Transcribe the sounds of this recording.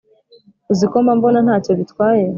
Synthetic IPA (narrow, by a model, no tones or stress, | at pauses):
ziko̞mambo̞nanhaːco̞βitwaːje